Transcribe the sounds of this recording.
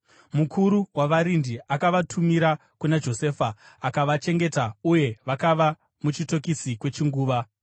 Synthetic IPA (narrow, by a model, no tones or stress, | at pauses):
mukʰuɾuwaʋaɾindiakaʋatʰumiɾa | kunad͡ʒo̞se̞ːfaː | kaʋat͡ʃe̞ŋɡe̞tauje̞ʋakaʋa | mut͡ʃito̞kisikwe̞t͡ʃiŋɡuːʋa